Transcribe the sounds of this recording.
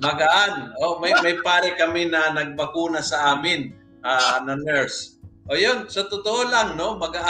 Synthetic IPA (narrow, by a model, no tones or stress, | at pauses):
mɐɡɐʔanʔomɐjmɐjpaːɾɛkɐmɛnɐnɐɡ̚bɐkuːnɐsɐʔaːmɪn | ʔaːnɐnɛɹsʔojonsɐt̪ʊt̪oʔolaŋno̞mɐɡɐʔ